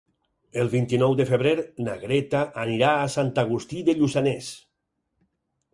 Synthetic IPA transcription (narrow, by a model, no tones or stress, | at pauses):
elˠβint̪inɔwd̪efeβɾeɾnaɣɾet̪aʔaniɾaːsant̪aɣ̞ust̪iðeʎuzanes